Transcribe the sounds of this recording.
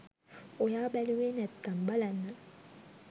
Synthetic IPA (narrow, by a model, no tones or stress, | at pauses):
ojabɛliwenɛt̪ːambalanːa